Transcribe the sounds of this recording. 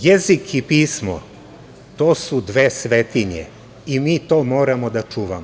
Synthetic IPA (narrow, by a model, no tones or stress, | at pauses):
jezikʰipiːsmo̰ | t̪oːsud̪ʋeːsʋet̪iɲḛ | imiːt̪o̞ːmo̞ːɾamod̪at͡ʃuːʋamo